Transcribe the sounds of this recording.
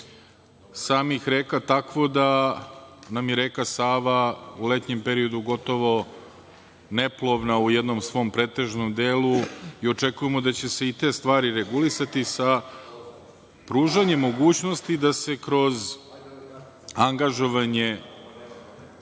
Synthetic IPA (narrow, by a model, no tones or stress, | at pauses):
saːmixɾeːkat̪akʋo̞d̪a | namjeɾeːkasaːʋaule̞t̪ɲe̞mpe̞ɾio̞d̪uɡo̞t̪o̞ʋo̞ | neplˠo̞ʋnaujed̪no̞msʋo̞ːmpɾe̞ːt̪e̞ʒno̞md̪eːluio̞t͡ʂe̞kujemo̞d̪at͡ɕe̞se̞it̪e̞ːst̪ʋaːɾiɾeɡulisat̪isa | pɾuːʒaɲe̞mːo̞ɡuːt͡ɕno̞st̪id̪ase̞kɾo̞z | aŋɡaʒo̞ʋaɲe̞